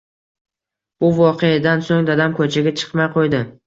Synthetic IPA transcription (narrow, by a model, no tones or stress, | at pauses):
bʊvɒqʰejad̪ansoŋd̪ad̪amkʰɵt͡ʃʰaɡʲat͡ʃʰɨ̥qmajqʰojd̪ɪ